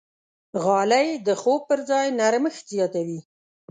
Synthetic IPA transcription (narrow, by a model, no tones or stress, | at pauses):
ɣɑlajd̪əxob̚pəɾzɑjnaɾməxt̪zjɑt̪awi